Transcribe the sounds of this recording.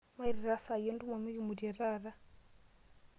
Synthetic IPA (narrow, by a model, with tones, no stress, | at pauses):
ma˦i˨ɾi˨ɾa˦sa˨je˦ndu˦ma˨mi˦ɣi˨mu˨dja˨ɾa˦ɾa˦